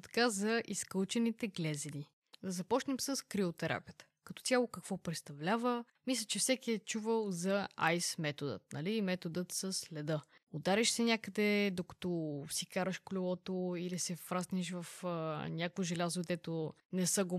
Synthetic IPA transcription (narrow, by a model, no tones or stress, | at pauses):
t̪ɐ̥kazɐʔiskəlˠt͡ʃɛnit̪ɛɡlʲɛzɛni | d̪ɐzɐpɔt͡ʃnɛmsəskɾiot̪ɛɾʔa̰piət̪ə̥kɐt̪ɔ̥t̪ʲjalˠokɐkvɔpɾɛt̪st̪ɐvlʲavə | mislʲət͡ʃɛfsɛkiɛt͡ʃuvəlˠzɐa̰jsmɛt̪od̪ə̰t̪̚nɐlimɛt̪od̪ət̪səslɛd̪ə | od̪aɾɛʃsɛnʲakəd̪ɛd̪okɐ̥t̪ɔsikaɾəʃkolʲɛvɔt̪oilisɛfpɾasniʃ̬vəfnʲakoʒɛlʲazod̪ɛt̪onɛsɤɡo